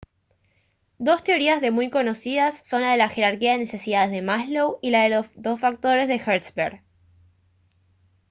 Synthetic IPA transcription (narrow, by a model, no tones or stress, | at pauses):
d̪o̞st̪e̞o̞ɾiazðe̞mujko̞nosiðasːo̞nlað̞e̞laxe̞ɾaɾkiaðene̞se̞siðaðezðe̞maslowilaðelosðo̞sfak̚t̪o̞ɾe̞zðe̞xeɾt̪speɾ